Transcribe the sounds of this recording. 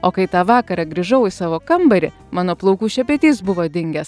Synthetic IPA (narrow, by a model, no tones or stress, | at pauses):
oːkɐɪt̪ɑːʋɑːkɐɾɑɡɾʲiːʒɐʊɪsɑːʋoːkɐmbɐɾʲɪ | mɑːnoːplˠɐʊkuːʃʲɛpʲɛt̪ʲiːsbʊʋoːd̪ʲɪŋʲɡʲɛs